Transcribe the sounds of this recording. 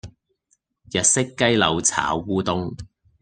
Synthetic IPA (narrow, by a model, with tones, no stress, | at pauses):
jɐ˨t̚sɪ˥kːɐ˥jlɐ˨˧wt͡sʰa̰ː˨˥wːuː˥t̪ʊ˥ŋ